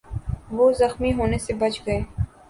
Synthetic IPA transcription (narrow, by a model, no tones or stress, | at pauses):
ʋozɐxmiɦoːnesebɐt͡ʃɡɐeː